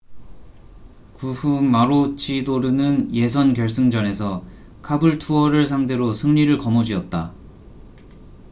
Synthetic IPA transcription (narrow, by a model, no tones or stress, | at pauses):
kuhumaɾot͡ɕʰidoɾɯnɯnje̞sʰʌnkjʌɭs͈ɯŋd͡ʑʌne̞sʰʌ | kʰabɯɭtʰuʌɾɯɭsʰaŋde̞ɾosʰɯŋɲiɾɯɭkʌmʌd͡ʑiʌt̚t͈a